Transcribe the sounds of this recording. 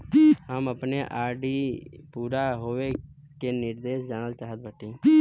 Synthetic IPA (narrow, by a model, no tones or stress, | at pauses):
ɦəməpneʔaːɾɖipuːɾaɦoːʋe | kenɪɾd̪eːʃd͡ʒanəlt͡ʃaːɦət̪̚bʱəʈĩː